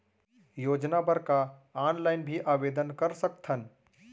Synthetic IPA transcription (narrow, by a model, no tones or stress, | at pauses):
joːd͡ʒnabəɾkaaːnlaːɪnbʱiʔaːʋeːd̪ənkəɾsək̚t̪ʰən